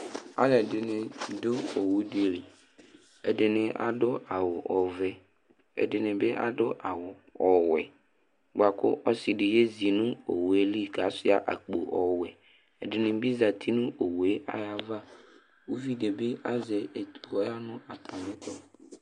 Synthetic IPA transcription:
a̰˦lɛ˨dɪ˨nɪ̃˨dʊ˦o˨wu˦de˨li˨ | ɛ̰˨dɪ˨nɪ̃˨ʔa̰˨dʊ˦a˨wʊ˨ʔɔ˨vɛ˦ | ɛ̰˨dɪ˨nɪ̃˨bɪ˦ʔa̰˦dʊ˦ʔa˨wʊ˨ | ɔ˨wɛ˨ | ɡ͡ba˨kʊ̰˦ʔɔ˦sɪ˨dɪ˨je˦zi˨nʊ̃˦o̰˨we˦li˦ka˨˦sɪ˦a˨ʔa̰˨k͡po̰˨ʔɔ˨wɛ˨ | ɛ˨dɪ˨nɪ̃˨bi˦za˨t̪ʰi˦nʊ̃˦ʔo˨we˦ʔa̰˦ja˦va˦ | wo˦vi˦de˨bɪ˦ʔa˦zɛ˨e˨t̪u˨ɔ˦a˦nʊ̃˦a˨tʰa˨mɪ̃˦tɔ˦

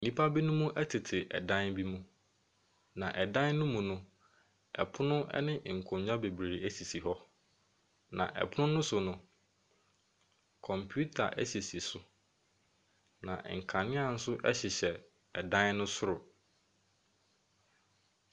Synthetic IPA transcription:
nĩ˦pʰa˦bi˦nʊ̃˦mũ˦ʔɛ˦tʰɪ˨tʰɪ˨ʔɛ̰˨dã˦nbi˦mũ˦ | nã˨ʔɛ˨dã˦nnʊ̃˦mũ˨nʊ̃˦ | ɛ̰˨pʰʊ˦nʊ̃˦ʔɛ̰˦nɪ̃˦˨ŋ̩˨kʰʊ̃˨˦ɲᶣ˦ã˦be˨bɾe˨æ˦si˨si˨ɦɔ˦ | nã̰˨ʔɛ̰˨pʰʊ˦nʊ̃˦nʊ̃˦sʊ˨nʊ̃˨ | kʰɔ̃˨mpʰu˦tʰa̰˨ʔɛ˦si˨si˨sʊ˦ | nã̰˨ŋ̩˨kʰa˨nɪ̃˦a˦˨n̩˦sʊ˦ʔɛ̰˦ɕɪ˨ɕɛ˨ | ɛ˨dã˦nnʊ̃˦sʊ˦ɾʊ˨

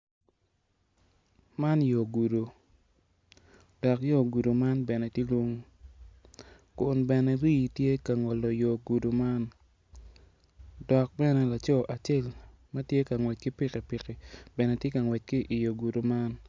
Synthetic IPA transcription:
ma˦njo˨ɡu˨do˨ | d̥ɔ˨kjo˦˨ɡu˨do˨ma˦nbɛ˨nɛ˨tje˦lwo˦ŋ˦ | kʊ˨nbɛ˨nɛ˨ɾi˦˨tje˦ka˨ŋɔ˨lɔ˨jo˨ɡu˨do˨ma˦n | dɔ˨k̚bɛ˦nɛ˦la˨t͡ʃɔ˦ʔa˨t͡ʃe˦˨l | ma˦tje˦ka˨ŋwɛ˨t͡ʃ̚ki˦pɪ˦ki˨pɪ˨ki˨bɛ˨nɛ˨tje˦ka˨ŋwɛ˨t͡ʃ̚ki˦ʔi˨jo˨ɡu˨do˨ma˦n

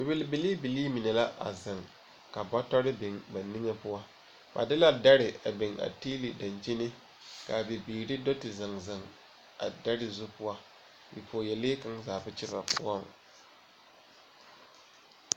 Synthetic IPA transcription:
bɪ˨bɪ˦lbɪ˨li˦bɪ˨liː˦mi˨nɛ˨la˦ʔa̰˨zɪ˨ŋ | ka˨ba˦tɔ˦ɾɪ˦bɪ˨ŋba˨nɪ˦ŋɛ˦pʊ˦a˦ | ba̰˨dɪ˦la˦da˦ɾɪ˨a˨bɪ˨ŋa̰˨tiː˦li˨da˨nd͡ʒi˦nɪ˦ | ka˨bɪ˨biː˨ɾɪ˦do˦tɪ˨za˨ŋza˨ŋ | a̰˨da˦ɾɪ˨zʊ˦pʊ˦wa˦ | bi˨pʰoː˨jɛ˨leː˦ka˦ŋzaː˨bʊ˦t͡ʃɪ˦ba̰˨pʊ̰˦ɔ˦˨ŋ˨

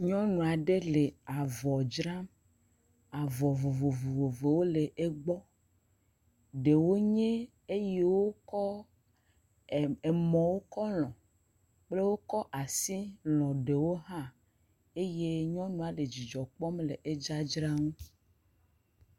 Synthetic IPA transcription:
ɲɔ̃˦nũ˨a˨ɖe˦le˨a˨vɔ˨d͡ʒɾa˦m | a˨vɔ˨vo˨vo˨vo˨vo˨ve˨wo˦le˨ʔe˦ɡ͡bɔ˦ | ɖe˨wo˦ɲẽ˦ | e˦je˦wo˦kɔ˦˨ | e˨mɔ̃˨wo˦kɔ˦lɔ̃˨ | k͡ple˦wo˦kɔ˦ʔa˨si˦lɔ̃˨ɖe˨wo˦ɦã˦ | e˦je˦ɲɔ̃˦nũ˨a˨le˨d͡ʑi˨d͡ʒɔ˨k͡pɔ˦mle˨ʔe˦d͡ʒa˦d͡ʒɾa˦ŋũ˦

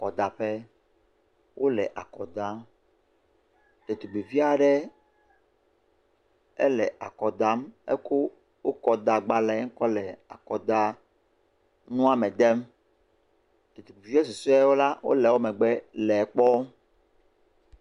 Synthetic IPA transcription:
kɔ˨d̪a˨ɸɛ˦ | wʔo˦lɛ̰˨ʔa̰˨kɔ˨d̪a˦ | t̪e˨t̪u˨ɡ͡bi˨vi˦a˨ɖɛ˦ | ɛ̰˦lɛ̰˨ʔa˨kɔ˨d̪a˦mɛ̰˦ku˦ | wo˦kɔ˦d̪a˨ɡ͡ba˨lɛ˨˦ŋ̩˦kɔ˦lɛ˨a̰˨kɔ˨d̪a˦ | nũ˦a˦mɛ˨d̪ɛ˦m | t̪e˨t̪u˨bi˨vi˦ɛ˦s̬u˨sɛ˦wo˦la˦wo̰˦lɛ˨wo˦mɛ˨ɡ͡bɛ˦lɛ˨k͡pɔ˦

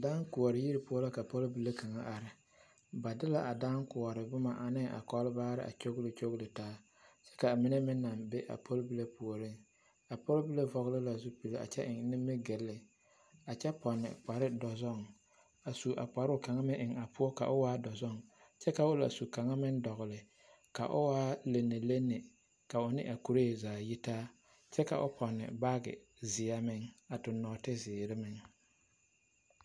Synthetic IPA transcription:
daː˦ŋku˨ɔ˨ɾɪ˨ji˦ɾi˨pʊ˦ɔ˦la˦ka˨po˦lbi˨le˦ka˨ŋa˦ʔa˨ɾɪ˦ | ba˨dɪ˦la˨ʔa˨daː˦nkʊ˨ɔ˨ɾɪ˨bʊ˦ma˨ʔa˨nɪ˦ŋʔa̰˨kɔ˦lɪ˦baː˦ɾɪ̰˦ʔa̰˨t͡ʃo˦ɡlɪ˨t͡ʃo˦ɣlɪ˨taː˦ | t͡ʃɛ̥˦ka˨mi˦nɛ˦mɪ˦nːa˨mbe˦ʔa̰˨pʰo˦lbi˦le˦pu˨o˨ɾi˦ŋ | a˨po˦lbi˦le˦vɔ˨ɣlɪ˦la˨zʊ˦pi˨le˨a̰˨t͡ʃɛ˦ʔɪ˨ŋ˦nɪ˦mːɪ˦ɡe˨lːɪ˨ | a˨t͡ʃɛ˦pɔ˨nːɪ̰˨k͡pa˨ɾɪ˦dɔ˨zɔ˦˨ŋ | a˨su˨ʔa̰˨k͡pa˨ɾʊ˦˨ka˨ŋa˦mɪ̃˦ʔɪ˨ŋa˨pʰʊ˦ɔ˦ka̰˨ʔʊ˦waː˦dɔ˨zɔ˦˨ŋ | t͡ʃɛ˦ka˨ʊ˦la̰˨su˨ka˨ŋa˦mɪ˦ŋdɔ˨ɣlɪ˨ | ka̰˨ʔʊ̰˦waː˦le˨nːe˨le˦nːɪ˨ | ka˨ʊ˨nɪ̰˦ʔa˨ku˨ɾe˦˨zaː˨ji˦taː˦ | t͡ʃɛ˦ka̰˨ʔʊ̰˦pʰɔ˨nːɪ̰˨ba˦ɡɪ̰˨ | zɪ˨a˦mɪ˦ŋa˨tʊ˨nːɔː˨tɪ˦zɪː˨ɾɪ˦mɪ˨ŋ

